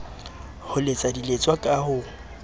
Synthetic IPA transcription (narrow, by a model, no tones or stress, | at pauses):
hʊlɪt͡sʼadilet͡sʼwakʼahʊ